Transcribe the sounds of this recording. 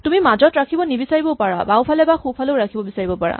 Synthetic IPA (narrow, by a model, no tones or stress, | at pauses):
tumimazɔtɹakʰibɔnibisaɹibɔpaɹa̰bawpʰalɛbaxupʰaleʊɹakʰibɔbisaɹibɔpaɹa̰